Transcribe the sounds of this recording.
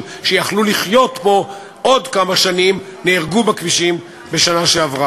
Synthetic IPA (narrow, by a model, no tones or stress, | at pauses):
ʃejaχluliχjo̞t̪bo̞ | ʔo̞dkamaʃanim | neːʁɡubakviʃim | be̞ʃanaʃeavʁa